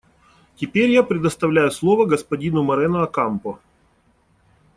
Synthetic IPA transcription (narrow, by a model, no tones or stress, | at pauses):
tʲɪpʲeɾʲjapɾʲɪd̪əst̪ɐvlʲæjʊslˠo̞vəɡəspɐdʲinʊmɐɾɛnʊɐkampʊ